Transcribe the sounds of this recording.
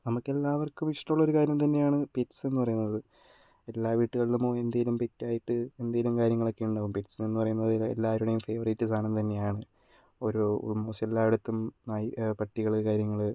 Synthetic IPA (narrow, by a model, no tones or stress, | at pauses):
nɐmukːe̞lːaːʋɐrkːumiʂʈɐmuɭːo̞ɾukaːɾjɐmt̪̬ɐnːe̞jaːɳɨpetse̞nːupɐrɐjunːɐðɨ | e̞lːaːʋiːʈːuɣɐɭilumoːend̪ɐːjilumpetːaːjiʈːɨend̪ɐjilumkaːɾjɐŋːɐɭo̞kːe̞juɳɖaːʋumpetsnenːupɐrɐjunːɐðḛlːaːɾuɽɐjumfe̞ːʋɐritːisaːɳenɨt̪ɐnːe̞jaːɳɨ | oɾṵmusɐlːaːɽut̪ːumnaːjipɐʈːiɣɐɭkaːɾjɐŋːɐɭ